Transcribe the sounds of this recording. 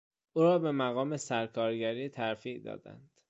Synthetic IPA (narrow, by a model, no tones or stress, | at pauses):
ʔuːɾɒːbe̞mæɣɒːme̞sæɾkʰɒːɾɟæɾiːt̪ʰæɾfiːʔd̪ɒ̰ːd̪æ̰nd̪̥